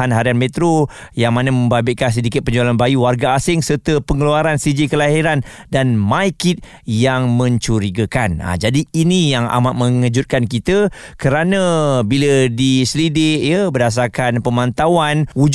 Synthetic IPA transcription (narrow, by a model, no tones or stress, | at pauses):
anɦaɾianmet̪ɾo | jaŋmanamə̃mbabɪʔ̪̚kans̬ədikɪt̪̚pəɲd͡ʒualanbajuwarɡaːsɪŋsərt̪əpəŋəluaɾansid͡ʒikəlaɦiɾan | danmajkit̪̚ | jaŋmə̃ɲt͡ʃuɾiɡakana̰d͡ʒadiinijaŋa̰maʔ̪̚mə̃ŋəd͡ʒut̪̚kankit̪əkəɾanə̃bilədislidɪʔjəbərdas̬arkanpəmãnt̪awanud͡ʒ